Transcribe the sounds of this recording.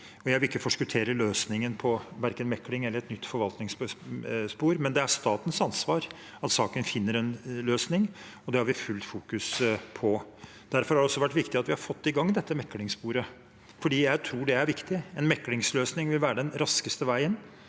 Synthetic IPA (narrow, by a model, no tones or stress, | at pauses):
ɔjæɪʋɪlɪkːəfɔʂkʉlt̪ʰeːɾəløːsnɪŋənpʰɔʋæɾkənmɛkːlɪŋɛlːəɾɛt̪nʏt̪ːfɔɾʋɑlt̪nɪŋs | spuːɾmɛnd̪ɛæʂt̪ɑːt̪ən̩sɑnsʋɑːɾ | ɑt̪sɑːkənfɪnːəɾɛnløːsnɪŋɔd̪ɛhɑɾʋɪfʉlt̪fuːkʉspʰɔ | d̪̥æɾfɔɾhɑɖɛɔsːɔʋæʈːʋɪkt̪ɪɑt̪ʋɪhɑɾfɔt̪ːɪɡɑŋːd̪ɛt̪ːəmɛkːlɪŋspuːɾə | fɔɖiːjæɪt̪ʰɾuːɖɛæɾʋɪkt̪ɪɛnmɛkːlɪŋsløːsnɪŋʋɪlʋæːɾəɖ̪ɛnɾɑskəst̪əʋæɪən